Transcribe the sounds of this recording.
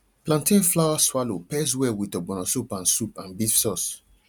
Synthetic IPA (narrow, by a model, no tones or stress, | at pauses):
plãntẽflawaswalopɛs̬wɛwitɔbɔ̃nɔ̃sopãnsupãnbifsɔs